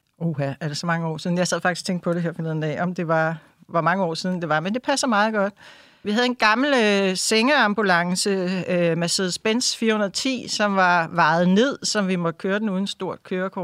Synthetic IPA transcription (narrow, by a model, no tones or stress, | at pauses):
o̝hææɐd̥esɒ̽mɑ̈ŋəɒ̰ːsiːðn̩jɑ̈ɪsɛð̰ˠfɑɡ̥isɒ̥t͡sʰeŋɡ̥əpʰɒɾ̥eɦeɐfɒle̝ð̰ˠn̩ɛ̰ʔɒ̽md̥e̝ʋɑ̈ | ʋɑ̈mɑ̈ŋəɒ̰ːsiðˠn̩d̥e̝ʋɑ̈mend̥e̝pʰæsɐmɑ̈ːð̞̩ˠɡ̥ɒ̽d̥̚ | ʋihæðˠe̝nɡ̥ɑ̈ml̩øseŋɐɑ̈mb̥ulɑ̈ŋsəømæseðˠsb̥ensfiːɐhonɐð̩ˠt͡sʰḭːsɒ̽mʋɑ̈ʋɑ̈ɪð̩ˠne̝ð̞̰ˠsɒ̽mʋimɒ̽d̥ə̥kʰøːɐd̥enuːð̞ˠn̩sd̥o̝ɐ̰d̥kʰøːɐkʰɒ̥